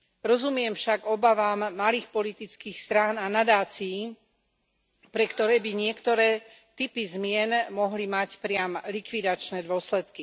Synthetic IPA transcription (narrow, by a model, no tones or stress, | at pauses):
ɾɔzumɪɛmfʃaɡɔbaʋaːmːaliːxpɔlit̪it͡skiːxst̪ɾaːnanad̪aːt͡siji | pɾɛkt̪ɔɾɛːbiɲɪɛkt̪ɔɾɛː | t̪ipizmɪɛnmɔɦlimacpɾɪamlikʋid̪at͡ʃnɛːd̪ʊɔslɛt̪ki